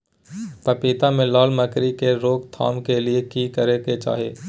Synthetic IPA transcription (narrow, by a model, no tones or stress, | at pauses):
pɐpiːt̪amẽlɔːlməkɾikeɾoːkt̪ʰa̰ːmkeliekiːkəɾeket͡ʃa̰ːɦḛː